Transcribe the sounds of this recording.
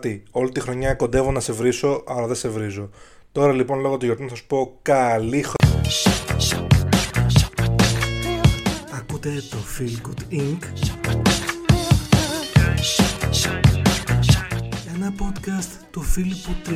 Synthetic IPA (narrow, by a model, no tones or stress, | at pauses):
t̪io̞lit̪ixɾo̞ɲɐko̞nd̪e̞vo̞nɐse̞vɾiso̞ʔɐlɐðese̞vɾizo̞ | t̪o̞ɾɐlipo̞nlo̞ɣot̪uʝo̞ɾt̪unɐsɐsu̥po̞kɐlixɾ | ɐkut̪e̞t̪ofilkud̪iŋk | e̞nɐpo̞t̪kɐst̪t̪ufilput̪̚ː